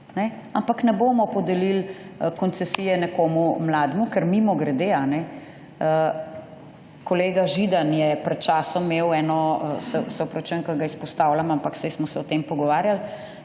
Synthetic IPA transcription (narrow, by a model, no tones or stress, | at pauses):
nɛampaknɛboːmɔpɔd̪ɛlil | kɔnt̪sɛsijɛnɛkoːmumlaːd̪mukɛɾmimɔɡɾɛd̪eanɛ | ə | kɔleːɡaʒid̪anjɛpɾɛt̪̚t͡ʃaːsɔmːewɛːnɔsɛsɛwpɾɔt͡ʃəŋkɐɡaispɔst̪awlamampaksɛjsmɔsɛɔt̪empɔɡɔʋaːɾjal